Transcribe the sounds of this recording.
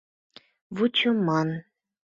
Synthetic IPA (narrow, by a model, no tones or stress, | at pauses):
βut͡ɕomɑn